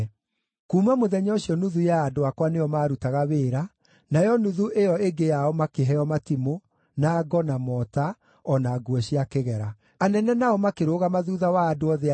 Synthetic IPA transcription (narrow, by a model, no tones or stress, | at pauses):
kuːmamoðɛɲɔɕiɔnuðujaːdoakwanejɔmaːɾutaɣaβeːɾa | najɔnuðuʔejɔeɡejaɔmakeɦɛɔmatimo | naːɡɔnamɔta | ɔnaɡwɛɕiakeɣɛɾa | anɛnɛnaɔmakeɾoːɣamaðuːðawaːdoɔðe